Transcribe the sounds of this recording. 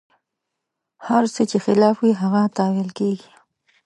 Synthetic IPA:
haɾsət͡ʃexɪlɑfwiɦaɣat̪ɑwɪlkeɡi̥

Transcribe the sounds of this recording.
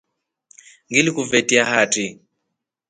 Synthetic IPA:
ŋɡilikuvɛtiahatʼi

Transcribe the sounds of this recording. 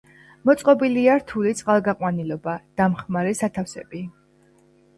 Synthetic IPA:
mɔt̪sʼqʼɔbiliaɾt̪ʰulit̪sʼqʼalˠɡaqʼwanilɔbad̪̥amχmaɾɛsat̪ʰafsɛ̰bi

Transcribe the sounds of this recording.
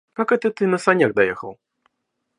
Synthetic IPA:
kakɛt̪ɨt̪ɨnɐsanʲaɣd̪ajɛxɐw

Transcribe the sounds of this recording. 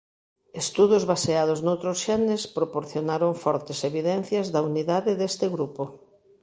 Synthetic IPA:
est̪uðozβaseað̞oznowt̪ɾosʃenespɾopoɾθjonaɾoɱfɔɾt̪eseβiðɛn̟θjazðauniðaðɪðest̪ɪɣɾupo

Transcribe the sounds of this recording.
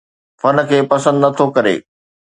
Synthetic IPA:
fɐn̆kʰeːpɐsə̃nd̪nɐt̪ʰokɐɾḛː

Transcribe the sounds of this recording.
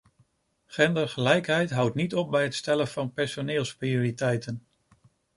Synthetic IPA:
χɛndəɹχəlɛjkɦɛjtɦʌwtnitɔp̚bɛjɦətstɛlənv̥ɑnpɛɹsonɪːlˠsprioːɾitɛjtən

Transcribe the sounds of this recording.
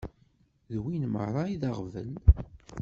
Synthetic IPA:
ðwinmə̰ʕɾˤɑiðaʁvəl

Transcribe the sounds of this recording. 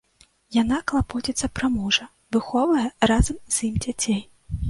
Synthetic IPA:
janaklˠapɔtʲit̪sːɐpɾamɔʐɐ | vɨxɔvɐjɛrazɐmz̥ʲjimd͡zʲat͡sʲej

